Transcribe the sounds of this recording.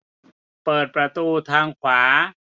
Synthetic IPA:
pɤː˨˩t̪̚pɾa˧t̪uː˧t̪ʰaː˧ŋkʰwaː˩˦

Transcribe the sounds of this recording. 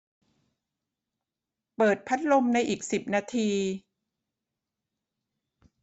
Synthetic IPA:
pɤː˨˩t̪̚pʰa˦˥t̪̚lo˧mna˧jʔiː˨˩k̚si˨˩p̚naː˧t̪ʰiː˧

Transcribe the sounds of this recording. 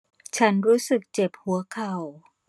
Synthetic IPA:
t͡ɕʰa˦˥nɾuː˦˥sɯ˨˩k̚t͡ɕe˨˩p̚hu˩˦ɐkʰa˨˩w

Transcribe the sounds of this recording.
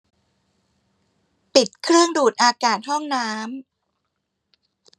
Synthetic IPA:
pi˨˩t̪̚kʰɾɯ˥˩əŋduː˨˩t̪̚ʔaː˧kaː˨˩t̪̚ɦɔ˥˩ŋnaː˦˥m

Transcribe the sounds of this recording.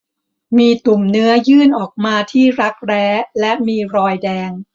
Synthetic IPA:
miː˧t̪u˨˩mnɯ˦˥ɐjɯː˥˩nʔɔː˨˩k̚maː˧t̪ʰiː˥˩ɾa˦˥k̚ɾɛː˦˥lɛ˦˥miː˧ɾɔː˧jdɛː˧ŋ

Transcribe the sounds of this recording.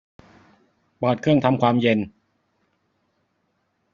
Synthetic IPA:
bɔː˨˩t̪̚kʰɯ˥˩əŋt̪ʰa˧mkʰwaː˧mje˧n

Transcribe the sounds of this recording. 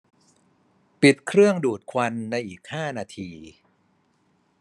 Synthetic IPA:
pi˨˩t̪̚kʰɾɯ˥˩əŋduː˨˩t̪̚kʰwa˧nːa˧jʔiː˨˩k̚haː˥˩naː˧t̪ʰiː˧

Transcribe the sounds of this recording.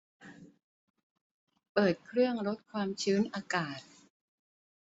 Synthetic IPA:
pɤː˨˩t̪̚kʰɾɯ˥˩əŋɾo˦˥t̪̚kʰwaː˧mt͡ɕʰɯː˦˥nʔaː˧kaː˨˩t̪̚

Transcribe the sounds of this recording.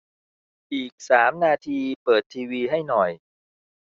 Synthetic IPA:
ʔiː˨˩k̚saː˩˦mnaː˧t̪ʰiː˧pɤː˨˩t̪ʰːiː˧wiː˧ɦa˥˩jnɔ˨˩j

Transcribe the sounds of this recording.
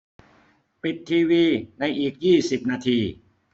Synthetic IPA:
pi˨˩t̪ʰːiː˧wiː˧na˧jʔiː˨˩k̚jiː˥˩si˨˩p̚naː˧t̪ʰiː˧

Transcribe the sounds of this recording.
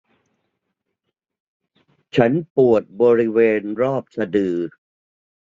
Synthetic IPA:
t͡ɕʰa˦˥npu˨˩ət̪̚bɔː˧ɾi˦˥weː˧nɾɔː˥˩p̚sa˧dɯː˨˩

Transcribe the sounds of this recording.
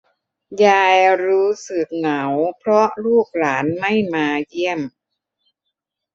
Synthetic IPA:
jaː˧jɾuː˦˥sɯ˨˩k̚na˩˦wpʰɾɔ˦˥ʔluː˥˩k̚laː˩˦nma˥˩jmaː˧ji˥˩əm

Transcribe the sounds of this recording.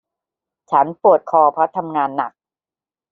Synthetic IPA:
t͡ɕʰa˦˥npu˨˩ət̪̚kʰɔː˧pʰɾɔ˦˥t̪ʰa˧mŋaː˧nːa˨˩k̚

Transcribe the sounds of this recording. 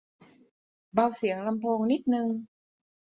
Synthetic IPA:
ba˧wsi˩˦əŋla˧mpʰoː˧ŋni˦˥t̪̚nɯ˧ŋ

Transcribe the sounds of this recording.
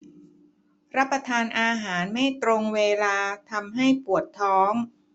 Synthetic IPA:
ɾa˦˥pːa˧t̪ʰaː˧nʔaː˧ɦaː˩˦nma˥˩jt̪ɾo˧ŋweː˧laː˧t̪ʰa˧mɦa˥˩jpu˨˩ət̪ʰːɔː˦˥ŋ

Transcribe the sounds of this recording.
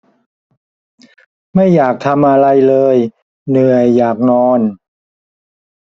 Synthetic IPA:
ma˥˩jːaː˨˩k̚t̪ʰa˧mʔa˧ɾa˧jlɤː˧j | nɯ˨˩əjːaː˨˩k̚nɔː˧n

